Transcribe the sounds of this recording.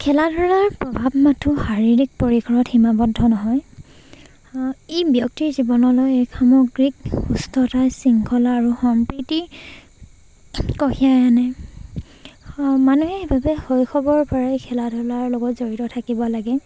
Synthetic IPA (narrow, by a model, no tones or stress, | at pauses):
kʰɛladʱɔɹaɹpɹɔbʱabmatʰuxaɹiɹik̚poɹikʰɔɹɔtximabɔdʱːɔnɔɦɔj | ejbjɔktiɹzibɔnɔlojejkʰamɔɡɹikustʰɔtajsiŋkʰɔlaːɹuxɔmpɹiti | kɔkʰijajanɛ | manuɦɛebʱabɛhojkʰɔbɔɹpɔɹaekʰɛladʱɔɹaɹlɔɡɔtzoɹitɔtʰakibɔlaɡɛ